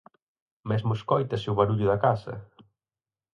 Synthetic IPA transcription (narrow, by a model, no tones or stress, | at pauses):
mezmʊskɔjt̪ɐsɪʊβaɾuʎʊðɐkasɐ̰